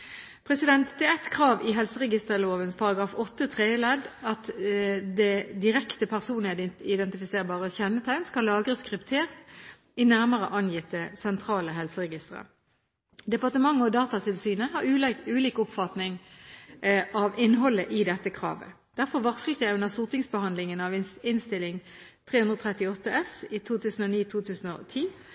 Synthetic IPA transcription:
pʰʁɛsɪd̪ɛnt̪d̪ɛɛt̪kʰʁɑːʋɪɦɛlsəʁɛɡɪst̪əʁloːʋənspʰɑʁɑɡɑːfɔt̪ːət̪ʰʁeːɪlɛd̪ɑt̪d̪ɛd̪ɪʁɛkt̪əpʰæʁsuːnled̪ɪd̪ɛnt̪ɪfɪseːʁbɑːʁəçɛnːət̪ʰæɪnskɑllːɑːɡʁəskʁɪpt̪ʰeːʁt̪ | ɪnæʁməʁə̰ʔɑnjɪt̪ːəsɛnt̪ʰʁɑːləɦɛlsəʁɛɡɪst̪əʁə̰ | d̪ɛpɑʁt̪əmɑŋːəɔd̪ɑːt̪ɑt̪ʰɪlsyːnəɦɑʁʉʉːliːkʊpfɑt̪nɪŋ | ʔɑʋɪnːɦɔlːəʔɪd̪ɛt̪ːəkʰʁɑ̰ːʋə̰ | d̪̥æʁfɔʁʋɑʁskl̩t̪jæɪʉnəʁsuːʁt̪ɪŋsbəhɑnd̪lɪŋənɑʋɪnst̪ɪlːɪŋt̪ʰʁeːhʉnd̪ʁəoːt̪ʰʁɛt̪ɪɔt̪ːəɛsɪt̪ʰuːt̪ʰʉːsn̩ɔniːt̪ʰuːt̪ʰʉːsn̩ɔ̰t̪ʰiː

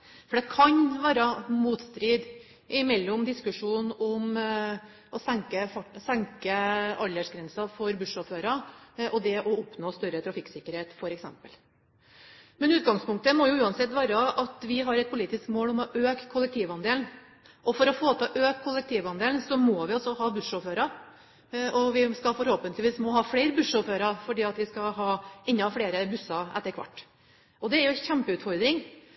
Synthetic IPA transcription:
fɔɖ̪ɛkʰɑɲʋæːɾɑmuːt̪st̪ɾiːd̪ | ʔɪmɛlːɔmd̪ɪskʉʂuːnɔm | ɔsɛŋkəfɑsɛŋkəɑlːəʂɡɾɛnsɑfɔɾbʉʂɔføːɾɑʔɔd̪ɛʔɔɔpnoːst̪œɾət̪ʰɾɑfɪksɪkːəɾheːt̪fɔɾɛksɛ̰mpəl | mɛnʉːt̪ɡɑŋspʰʊŋkt̪əmɔjʊʉːɑnsɛt̪ːʋæːɾəʔɑt̪ʋɪɦɑɾɛt̪pʊliːt̪ɪskmoːlɔmɔʔøːkkʰːʊlːɛkt̪ʰiːʋɑnd̪eːln | ʔɔfɔɾɔfoːt̪ʰɑʔøːkkʰːʊlːɛk̚t̪ʰiːʋɑnd̪eːlnsɔmoːʋɪɔsɔɦɑːbʉʂoføːɾɑɾ | ɔʋɪskɑlfɔɾhoːpənlɪʋiːsmɔɦɑːfɽeɪɾbʉʂoføːɾɑfɔɖiːɑt̪ʋɪskɑɦɑːɪnːɑfɽeːɾəbʉsːɑɛ̰t̪ːəɾkʰʋɑ̰ʈː | ɔd̪ɛæɾjʊçɛmpəʉːt̪fɔɾd̪ɾɪŋ

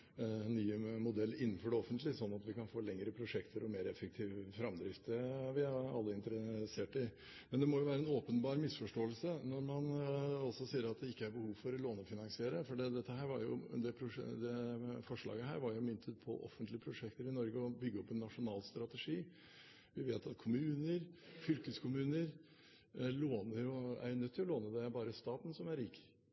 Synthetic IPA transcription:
nːyːəmʊd̪ɛlːɪnːnfɔɖɛɔfənt̪lɪsɔnːɑt̪ʋɪkɑnfoːlɛŋəɾəpʰɾʊʂɛkt̪ʰəɾɔmeːɾɛfːək̚t̪ʰiːʋəfɾɑmd̪ɾɪft̪əʋɪɑɑ̰lːəɪnt̪əɾəseːʈɪ | mɛnd̪ɛmɔjʊʋæːɾəɛnoːpənbɑːɾmɪsfɔʂʈoːəlsənɔɾmɑnɔsɔsiːəɾɑt̪̚d̪ɛɪkːəæɾbəhuːʋfɔɾɔloːnɔfɪnɑŋsɪeːɾəfɔɖid̪ɛt̪ːəhæːɾʋɑɾjʊ̰d̪ɛpʰɾʊʂd̪ɛfɔʂɭɑ̰ːɡəɦæ̰ːɾʋɑɾjʊmʏnt̪ʰət̪̚pʰɔ̰ʔɔ̰fənt̪lɪəpʰɾʊʂɛkt̪əɾɪnɔɾɡəɔbʏɡːəɔpːɛnːɑʂʊnɑːlst̪ɾɑt̪əʂiː | ʋɪʋeːt̪ɑt̪kʰʊmʉːnəɾfʏlkəskʰʊmʉːnəɾ | loːnəɾʊæ̰ɾjʊnœt̪ʰːɪlɔloːnəd̪ɛæbɑːɾəst̪ɑːt̪n̩sɔmæɾiːk

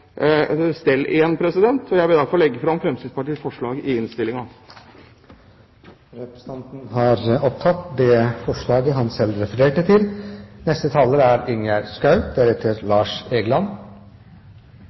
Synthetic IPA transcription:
st̪ɛlːeːnpʰɾɛsɪd̪ɛnt̪ʰɔjæɪʋɪld̪ɑfɔɭlɛɡːəfɾɑmfɾɛmst̪ɪspɑʈiːsfɔʂɭɑːɡɪɪnst̪ɪlɪŋɑ | ɾɛpɾəst̪ʰɑnt̪n̩ɦɑɾɔp̚t̪ʰɑt̪ːd̪ɛːfɔʂɭɑːɡəɦɑnsɛlɾɛfəɾeːʈət̪ʰɪlnɛst̪ət̪ʰɑːləɾəæɾɪŋjæɾskɑʉd̪æɾɛt̪ʰːəɾlɑːʂeːɡəlɑn

